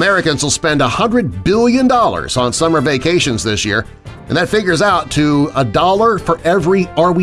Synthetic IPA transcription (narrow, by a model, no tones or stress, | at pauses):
mɛɹɨkɨ̃nzwəlˠspɛ̃ndəhʌ̃ndɹɨd̚bɪlˠjɨ̃ndɔlˠə̰˞z̥n̩sʌmə˞veɪkʰeɪʃɨ̃nzðɪsjɪ̰ɹ | ɨ̃nðɨtfɪɡjə˞zaʊtʰɨədɔlˠə˞fə˞ʔɛvɹiɑɹwi